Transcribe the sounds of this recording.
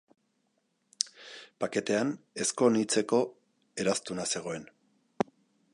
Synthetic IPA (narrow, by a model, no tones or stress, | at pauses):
pake̞t̪e̞ane̞sko̞nit͡se̞ko̞ | e̞ɾast̪unase̞ɣ̞o̞e̞n